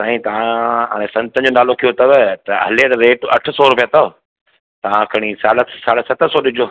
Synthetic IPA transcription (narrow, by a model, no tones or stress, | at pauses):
saːɦĩt̪ɐʋãa̰ːɽ̃ẽsɐ̃nt̪ə̃ɲd͡ʑoːnaːlokʰijot̪ɐʋət̪ɐɦɐ̰leɾɾeːʈɐ̰ʈʰə̆sɔɾʊpijət̪ɐʋ | t̪ɐʋ̤ãkʰɐɽ̃isaːɽəsaːɽəsɐt̪ʰəsɔːɗɪd͡ʑʱoː